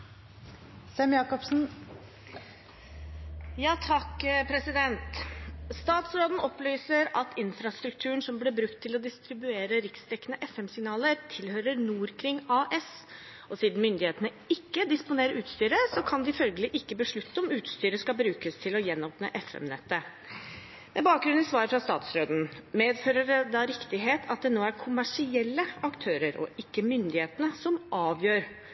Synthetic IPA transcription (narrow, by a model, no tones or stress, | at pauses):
sɛmjɑːkɔpsn̩ | jɑːt̪ʰɑkːpʰɾɛsɪd̪ɛnt̪st̪ɑːt̪sɾoːd̪n̩ɔpːlyːsəɾɑt̪ʰɪnfɾɑst̪ɾʉk̚t̪ʰʉːəɳsɔmblɪːbɾʉkt̪ʰːɪlɔd̪ɪst̪ɾɪbʉeːɾəɾɪkst̪ʰɛkːənəʔɛfɛmsɪɡnɑːləɾt̪ʰɪlhøːɾəɾnuːɾkʰɾɪŋːɑːʔɛs | ʔɔsiːd̪n̩mʏnd̪ɪheːt̪ənə | ɪkːəd̪ɪspʊneːɾəʔʉːt̪st̪yːɾəsɔkʰɑnd̪ɪfœlɡəlɪʔɪkːəbəʂɭʉt̪ːəɔmʉːt̪st̪yːɾəskɑbɾʉːkəst̪ʰɪlɔjɛnːoːpnə̰ʔɛfɛ̰mnɛ̰t̪ːə | mɛbɑːk̚ɡɾʉnɪsʋɑːɾəfɾɑst̪ɑ̰ːt̪sɾøːd̪n̩meːd̪føːɾəɾəd̪ɑɾɪkt̪ɪɦeːt̪ʰɑt̪̚d̪ɛnoːæɾkʰʊmæʂɪɛlːəɑkt̪ʰøːɾəɾɔ̰ʔɪkːəmʏnd̪ɪheːt̪ənəsɔmɑːʋjøːɾ